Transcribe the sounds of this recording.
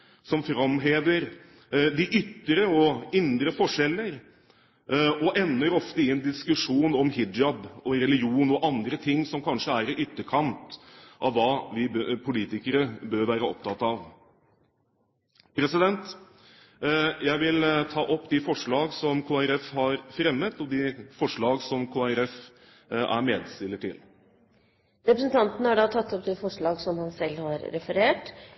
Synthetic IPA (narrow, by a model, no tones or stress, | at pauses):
sɔmfɾɑmɦeːʋ̪əɾ | d̪ɪʔʏt̪ːəɾəɔɪnd̪ɾəfɔʂɛlːəɾ | ɔʔɛnːəɾɔft̪əɪɛnd̪ɪskʉʂuːnɔmhɪɑbɔɾɛlɪɡuːnɔʔɑnd̪ɾət̪ʰɪŋːsɔmkʰɑnʂəæɾɪʔʏt̪ːəkʰɑnt̪ʔɑ̰ʋːɑːʋɪpʰʊliːt̪ɪkəɾəbøːɾʋæːɾəɔ̰p̚t̪ʰɑt̪ːɑʋ | pʰɾɛsɪd̪ɛnt̪ | jæɪʋɪlt̪ʰɑːʔɔpːd̪ɪfɔʂɭɑːɡsɔmkʰoːæɾɛfhɑɾfɾɛmːət̪ɔd̪ɪfɔʂɭɑːɡsɔmkʰoːæɾɛf | æ̰ɾmeːd̪st̪ɪlːəʈʰɪ̰l | ɾɛpɾəsn̩t̪ʰɑnt̪ənəhæɖɑt̪ʰɑt̪ːɔpd̪efɔʂɭɑːɡsɔmhɑnsɛlːhɑɾɾɛfəɾeːʈ